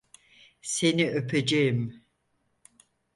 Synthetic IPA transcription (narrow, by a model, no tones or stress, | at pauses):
se̞niøpʰed͡ʒejim